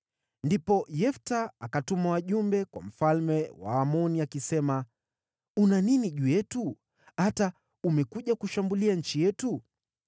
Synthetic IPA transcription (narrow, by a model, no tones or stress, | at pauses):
ndipɔjɛftaakatumawaʄumbɛkwa̰m̩falmɛwa̰ːmɔniakisɛma | unaniniʄujɛtu | hata | umɛkuʄakuʃambuliaɲ̩t͡ʃijɛtu